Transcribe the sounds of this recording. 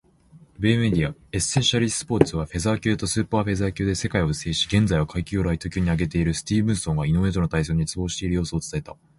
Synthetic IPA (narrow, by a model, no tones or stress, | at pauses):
beːme̞d̪ʲiaesːẽɰɕaɾʲisɨ̥po̞ːt͡sɨβ̞aɸe̞zaːkʲɨ̟ːt̪o̞sɨːpaːɸe̞zaːkʲɨːd̪e̞se̞kaio̞ɯ̟se̞ːɕi̥ɡẽ̞nd͡zaiβakʰaikʲioɾait̪o̞kʲoːɲ̟iaɡe̞t̪e̞iɾɯ̟sɨ̥t̪ʲiːbɯ̟̃ɰ̃sõŋɡaino̞βe̞ːt̪o̞not̪ais̬oːɲ̟it͡sɨbo̞ːɕi̥t̪e̞iɾɯ̟joːsɨoːt͡sɨ̥aet̪a